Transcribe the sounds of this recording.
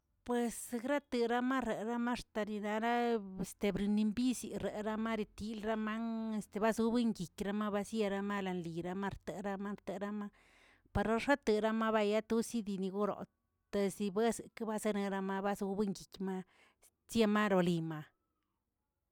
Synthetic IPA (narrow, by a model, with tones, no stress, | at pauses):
pwe˧sɡɾa˦t̪ɨ˧ɾa˦ma˦ɾe˨ɾa˦ma˦ʂt̪a˧ni˧na˧ɾa˦e˨st̪e˧bɾi˧ni˧mbi˦si˧ɾe˨ɾa˧ma˦ɾi˧t̪i˧˦lɾa˦ma˦ŋe˧st̪e˧ba˦zu˧˦bɨ˦ŋɡi˨kʲɾa˧ma˦ba˧sje˧ɾa˧ma˦la˨˧nli˨ɾa˧ma˦ɾt̪e˨ɾa˧ma˧˦ɾt̪e˧ɾa˧ma˦ | pa˧ɾa˧ʂa˦t̪ɨ˧ɾa˦ma˦βa˧ja˦t̪u˦si˦d̪i˧ni˧ɡo˦ɾo̰˨ | t̪e˧si˧be˦sɨ˨ka˦ba˧˦ze˦ne˧ɾa˧ma˧ba˦zu˧bɨ˦ŋɡi˨kma˦ | sje˧ma˦ɾo˧li˨ma˨